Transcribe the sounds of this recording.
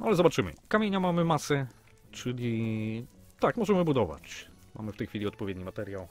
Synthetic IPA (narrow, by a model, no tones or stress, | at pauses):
nalɛzɔbat͡ʂɘmɘ̰kamʲjeɲamamɘmasɛ | t͡ʂɘlʲi | t̪akmɔʐɛmɘbud̪ɔva̰t͡ɕ | ma̰mɘft̪ɛjxfʲilʲiɔt̪pɔvʲɛd̪ɲimat̪ɛɾʲjaw